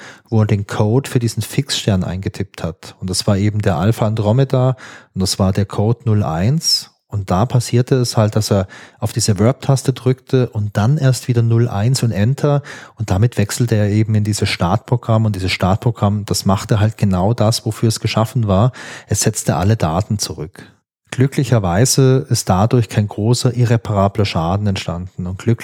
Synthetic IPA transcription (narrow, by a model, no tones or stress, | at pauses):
voːeːɐdeːnkʰoːtfyːɐdiːzn̩fɪksʃtɛɐnʔa̰ɪnɡətʰɪp̚thatʊntd̥asv̥aːɐʔeːbm̩deːɐʔalfandʁɔmedaːʊntd̥asv̥aːɐdeːɐkʰoːdnʊlʔa̰ɪns | ʔʊnt̚d̥aːpʰasiːɐtʰəɛshalt̚d̥aseːɐʔaʊfd̥iːzəvœɐp̚tʰastədʁʏktʰəʔʊnt̚d̥anʔeːɐstv̥iːdɐnʊlʔa̰ɪnsʊntʔɛntʰɐʔʊnt̚d̥amɪtv̥ɛksl̩təeːɐeːbm̩ɪndiːzəsʃtaɐt̚pʁ̥oɡ̥ʁamʊntd̥iːzəsʃtaɐt̚pʁ̥oɡ̥ʁamd̥asmaχtəɦalt̚ɡ̥ənaʊdasv̥ofyːɐɛsɡ̥əʃafn̩vaːɐʔɛsz̥ɛt͡stəʔa̰lədaːtn̩t͡suʁʏk | ɡ̥lʏklɪçɐvaɪzəɪst̚d̥adʊɐçkʰaɪnɡʁoːsɐʔɪʁepʰaʁaːblɐʃaːdn̩ɛntʃtandn̩ʊnt̚ɡ̥lʏk